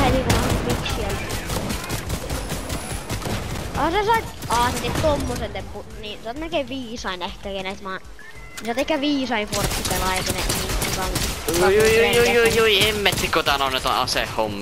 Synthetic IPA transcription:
inikunɑmiksiæl | ɑɑsesɑit̪ɑːsit̪ːet̪t̪omːosent̪empu | ninsɑt̪melkeiʋʋiːsɑinehkækenet̪mɑːn | nisɑˑt̪ehkːæʋiːsɑinfort̪ːikelɑeˑkeneniiŋkɑmːjujuijujjuijuiemːet̪ːikot̪ɑnonot̪ɑ̰ɑ̰sḛhːomː

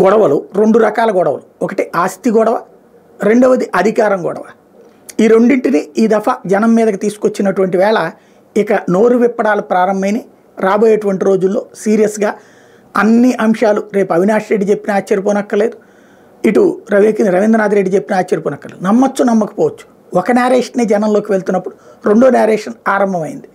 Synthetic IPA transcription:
ɡɔɽɐʋɐluɾe̞ɳɖuɾɐkaːlɐɡɔɽɐʋɐluɔkɐʈiʔaːst̪iɡɔɽɐʋɐ | ɾe̞ɳɖoːʋɐd̪iʔɐd̪ʱikaːɾɐŋɡɔ̰ɽɐ̰ʋɐ | iːɾe̞ɳɖiɳʈiniiːd̪ɐfɐd͡ʒɐnɐmːiːd̪ɐkit̪iːsu̥kot͡ʃːinɐʈuʋɐɳʈiʋɛːɭɐ | ikɐno̞ːɾuʋipːɐɽaːlɐpɾaːɾɐmbɐjni | ɾaːboːjɐʈuʋɐɳʈiɾo̞ːd͡ʒulːo̞ːsiːɾijɐsɡaː | ɐnːiʔɐmʂaːluɾe̞ːpuɐʋinaːʂɐɾe̞ɖːit͡ʃe̞pːinɐaːt͡ʃːɐɾipoːnɐkːɐle̞ːd̪u | iʈuɾɐʋiknɾɐʋind̪ɐnaːd̪iɾe̞ɖːit͡ʃe̞pːinɐaːt͡ʃːɐɾipoːnɐkːɐlḛːd̪unɐmːɐt͡ʃːunɐmːɐkɐ̥pɔːʋɐt͡ʃːu̥ | ɔkɐnaːɾeːʂɐnːid͡ʒɛnɐmlo̞ːkiʋe̞ɭt̪unːɐpːuɽuɾe̞ɳɖoːnaːɾeːʂɐnaːɾɐmbʱɐmɐjind̪i

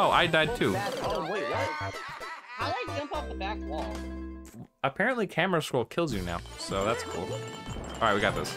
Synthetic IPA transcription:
oʊʔa̰ɪdaɪd̚tʰʉoʊwj | haʊlaɪk̚d̥ʒ̥ʌ̃mpʌp̚ðəbæk̚wɔlˠ | əpʰɛɹɨ̃nʔlikʰæmə˞ɨskɹolˠkʰɪlˠzjɨna̰ʊsoʊðætskʰṵlˠʔɑlˠaɪt̚wiɡɑt̪̚ðɪ̰s

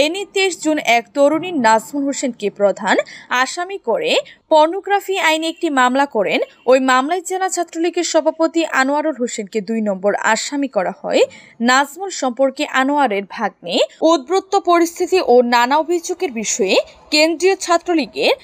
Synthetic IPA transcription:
enit̪eʃd͡ʑunɛkt̪oɾuniɾnazmunɦoʃenkepɾod̪ʱanaʃamikoɾepɔɾnoɡɾafiajnek̚ʈimamlakɔɾen | ojmamlaet͡ɕelat͡ɕʰat̪ːɾoliɡeɾʃɔbʱapot̪iʔanoaɾolɦoʃenked̪ujnɔmboɾa̰ʃamikɔɾahɔ̰e | nad͡ʑmunʃɔmpoɾkeʔanoaɾeɾbʱaɡ̚neud̪̚bɾot̪ːopoɾist̪ʰit̪iʔonanaobʱid͡ʑoɡeɾbiʃɔekend̪ɾiot͡ɕʰat̪ːɾoliɡeɾ

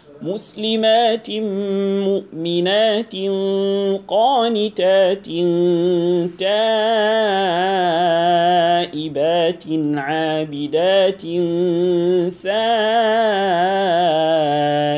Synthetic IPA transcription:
mʊslɪmaːt̪ | mʊʔmɪnaːt̪ɪnqɑːnɪt̪aːt̪ɪn | t̪aː | ʔɪbaːt̪nʕaːbɪd̪aːt̪ɪn | saː

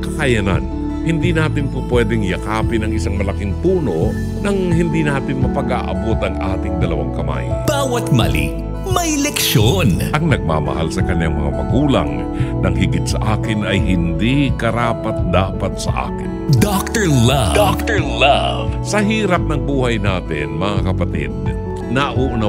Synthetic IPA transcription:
kɐkajana̰n | hɪnd̪inaːt̪ɪnpʊpwɛːd̪ɛŋjɐkaːpɪnɐŋʔɪsaŋmɐlɐkɪŋpuːno̞ | nɐŋhɪnd̪inaːt̪ɪnmɐpɐɡaʔɐ̰bot̪ɐŋʔaːt̪ɪŋd̪ɐlɐwa̰ŋkɐma̰jb̥aːwɐt̪̚mɐ̰lḭ | mɐjlɛkʃonʔɐŋnɐɡ̚ma̰ːmɐ̰ha̰lsɐkɐɲːaŋmɐ̰ŋa̰mɐ̰ɡuːlɐ̰ŋ | nɐŋɦɪɡɪt̪̚sɐʔaːkɪnɐjɦɪnd̪ikɐɾaːpɐt̪̚d̪aːpɐt̪̚sɐ̰ʔa̰ːkɪnd̪ak̚t̪ɛɹlɐd̪ak̚t̪ɛɹlɐvsɐɦiːɾɐp̚nɐŋbuːhɐjnaːt̪ɪ̰nmɐŋakɐpɐt̪ḭd̪̚ | nɐʔuːʔna

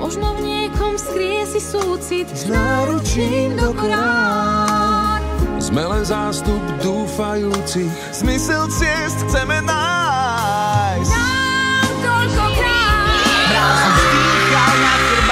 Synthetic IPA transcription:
mɔʒnɔvɲɪɛkɔmskɾijɛsisuːt͡sit̪zmɛɛɾut͡ʃind̪ɔkɾaa | zmɛlɛnzaːst̪ubd̪uːfajuːt͡si | z̥misɛlt͡sɪɛst̪xt͡sɛmɛna | js | t̪ɔlkɔpɾa | ɦɾazst̪ikana

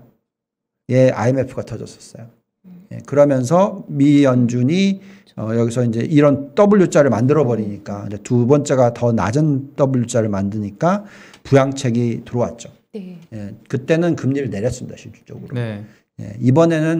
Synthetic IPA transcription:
je̞a̰ime̞pʰɯɡatʰʌd͡ʑʌs͈ʌ̥s͈ʌjo | je̞̰kɯɾʌmjʌnsʰʌmijʌnd͡ʑuɲi | ʌjʌɡisʰʌind͡ʑe̞ʔiɾʌnt͈ʌbɯɭjut͡ɕ͈ʰaɾɯɭmandɯɾʌbʌɾiɲik͈aɯndetubʌnt͡ɕ͈e̞ɡatʌna̰d͡ʑɯnt͈ʌbuʎːjut͡ɕ͈ʰaɾɯɭmandɯɲik͈apujaŋt͡ɕʰe̞ɡitɯɾʌwat̚t͡ɕ͈o | jekɯt͈e̞nɯnkɯmɲiɾɯɭneɾjʌs͈ɯmɲidaɕʰit͡ɕ͈u̥t͡ɕ͈ʌ̰ɡɯɾo | je̞̰ibʌne̞nɯn

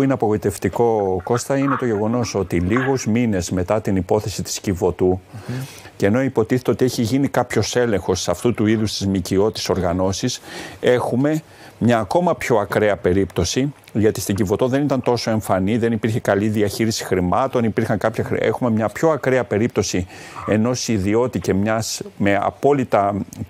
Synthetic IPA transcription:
ineɐpo̞ɣo̞it̪e̞ft̪iko̞ko̞st̪ɐine̞t̪o̞ʝe̞ɣo̞no̞so̞t̪iliɣozmine̞zme̞t̪ɐt̪inipo̞θe̞sit̪i̥scivo̞t̪u | ce̞no̞ipo̞t̪iθe̞t̪e̞ot̪ie̞çiʝinikɐpço̞se̞le̞ŋxo̞sɐft̪ut̪uiðust̪izmicio̞t̪iso̞ɾɣɐno̞sise̞xume̞ | mɲɐːko̞mɐpço̞ɐkɾe̞ɐpe̞ɾipt̪o̞si | ʝɐt̪ist̪iɟivo̞t̪o̞ðe̞nit̪ɐnt̪o̞so̞e̞ɱfɐniðenipiɾçe̞kɐliðiɐçiɾisi̥xɾimɐt̪o̞nipiɾxɐŋkɐpçɐxe̞xume̞mɲɐpço̞ɐkɾe̞ɐpe̞ɾip̚t̪o̞sie̞no̞siðio̞t̪ice̞mɲɐsme̞ɐ̰po̞lit̪ɐ

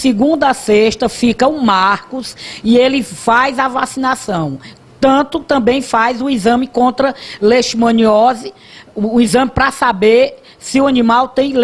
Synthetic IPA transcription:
siɡũnd̪ɐseʃt̪ɐfikɐumaɾkusielɪfajzavasinasɐ̃w̃ | t̪ɐ̃t̪ʊt̪ɐ̃bẽj̃fajzʊizɐ̃mɪkõnt̪ɾɐleʃmɐ̃niɔzɪː | izɐ̃mɪpɾɐsabeɾ | sɪuɐnĩmawt̪ẽj̃l

